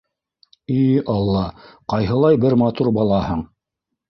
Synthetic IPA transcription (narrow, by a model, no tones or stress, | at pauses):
iɑlˠːɑqɑjɦɤ̆lˠɑjbɘɾmɑt̪uɾbɑlˠɑhɤɴ